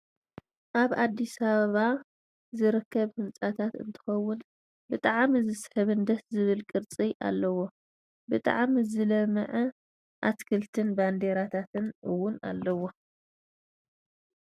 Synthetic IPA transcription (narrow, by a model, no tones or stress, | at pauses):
ʔaβad̪ːisaβaβa | zɨɾɨkːɐβhɨnt͡sʼat̪ʰat̪ɨ̰nt̪ʰɨ̥xɐwːʊn | bɨt̪ʼaʕmizɨsħɨβɨnd̪ɐt̪zɨβɨlkʼɨɾt͡sʼiʔa̰lːɐwo̞ | bɨt̪ʼaʕmizɨlɐmɨʕɐ | ʔat̪kʰɨlt̪ʰɨnband̪eɾat̪ʰat̪ʰɨnʔɨwːʊna̰lːɐwo̞